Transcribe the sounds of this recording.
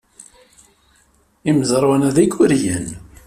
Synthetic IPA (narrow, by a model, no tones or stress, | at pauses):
imzəɾˤwænæðikːʊɾjən